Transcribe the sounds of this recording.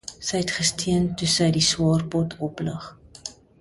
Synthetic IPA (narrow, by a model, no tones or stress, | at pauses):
səjɛtχəstʰiəntusəjdiswɑːrpɔtʰɔpləχ